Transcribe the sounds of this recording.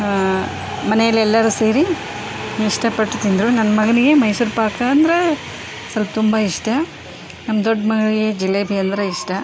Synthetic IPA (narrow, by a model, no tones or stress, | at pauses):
mɐnɛjɐlːɛlːɐɾuseːɾi | iʂʈɐpɐʈːt̪ind̪ɾunɐnːɐmɐɡɐniɡe̞mɐjsuɾpaːkɐːnd̪ɐɾe | sɐlpɐt̪umbɐiʂʈɐ | nɐmːɐd̪oɖːmɐɡɐniɡe̞d͡ʒilːebʱijɐnd̪ɾɐiʂʈɐ